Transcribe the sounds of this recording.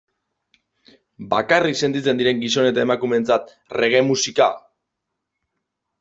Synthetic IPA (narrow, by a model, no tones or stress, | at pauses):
bakarikse̞nt̪it͡se̞nd̪iɾe̞ŋɡiso̞ne̞t̪ae̞makume̞nt͡sat̪̚ | re̞ɣ̞e̞musika̰